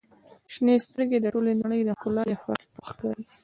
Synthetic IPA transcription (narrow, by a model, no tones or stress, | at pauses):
ʃnest̪əɾɡed̪əʈolenaɳəjd̪əxʊlɑjaxa̰ɾlpəxkɑɾi